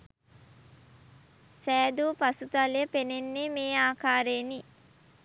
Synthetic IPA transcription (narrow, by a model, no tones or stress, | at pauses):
sæːd̪uːpɐsut̪aljəpenenːemeːaːkaːɾeːni